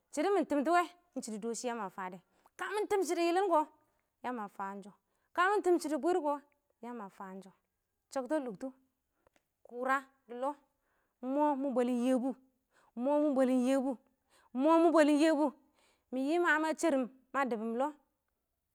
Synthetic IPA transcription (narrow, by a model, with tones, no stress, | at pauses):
t͡ʃi˨di˦mi˨n˨ti˨mt̬i˦we˦ | n˦t͡ʃi˨ti˨do˨ʃi˦ja˦ma˨fa˨de˨ | ka˦mi˦n˦ti˦mt͡ʃi˨di˨ji˦li˦nɡo˦ | ja˦ma˨fa˨˦n˦d͡ʒo˨ | ka˦mi˦n˦ti˦mt͡ʃi˨di˨bʷi˦ɾɡo˨ | ja˦ma˨fa˨˦nd͡ʒo˦ | t͡ʃe˦kto˦lu˨ktu˦ | ku˨ɾa˦ | di˨lo˦ | mo˦mu˦bo˨li˦nje˦bu˦ | mo˦mu˦bo˨li˦nje˦bu˦ | mo˦mu˦bo˨li˦n˦je˦bu˦ | mi˨ji˦ma˨˦ma˦t͡ʃe˦ɾi˨mːa˦di˨bi˨m˨lo˦